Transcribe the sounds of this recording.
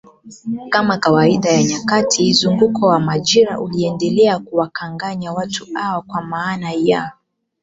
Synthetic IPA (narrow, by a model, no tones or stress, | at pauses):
kamakawaiɗajaɲakatʰizuŋɡukʰɔwamaʄiɾa̰ʔuliɛndɛlɛakuwakaŋɡaɲawatʰuawakwamaːnaja